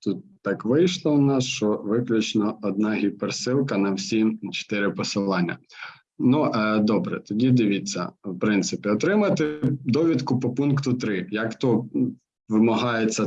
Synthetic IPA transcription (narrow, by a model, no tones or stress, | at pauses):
t̪ut̪̚ːɑkʋɪjʃlˠɔʊnɑsʃt͡ʃɔʋɪklʲʊt͡ʃnɔɔd̪̚nɑɦʲipersɪlˠkɐnɐwsʲit͡ʃe̥t̪ɪɾɪpɔsɪlˠɑnʲːɐ̰ | nuʔd̪ɔbɾɛ̰t̪ɔdʲid̪ɪʋʲit͡sʲːɐ̰wpɾɪnt̪sɪpʲɪɔt̪ɾɪmɐt̪ɪd̪ɔʋʲid̪kʊpɔpunkt̪ʊt̪ɾɪjɐkt̪ɔ | ʋɪmɐɦɑjet͡sʲːɐ